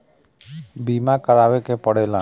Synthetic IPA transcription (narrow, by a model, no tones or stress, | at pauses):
bimãkəɾaʋekepəɽela